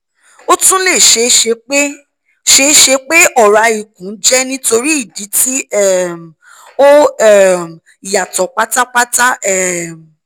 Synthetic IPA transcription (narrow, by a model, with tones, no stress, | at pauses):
o˦tũ˦le˦˨ʃe˧ʃe˧k͡pe˦ | ʃe˦ʃe˧k͡pe˦ɔ˦˨ɾa˨˧i˨k̚ũ˨˦d͡ʒɛ˦nĩ˦to˧ɾi˦i˦˨di˨˦tʰi˦ɛ˦˨m˨ | o˦ɛ˨m˨ | i˨ja˨tɔ˨˦k͡pa˦ta˦k͡pa˦ta˦ɛ˦˨m˨